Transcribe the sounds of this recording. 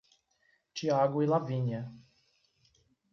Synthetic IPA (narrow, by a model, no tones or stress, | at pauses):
t͡ʃiaɡʊilavĩɲɐ